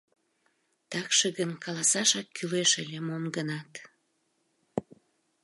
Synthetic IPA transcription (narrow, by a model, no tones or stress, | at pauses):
t̪ɑkʃəɣənkɑlɑsɑʃɑkːyleʃelʲemomɡənɑt̪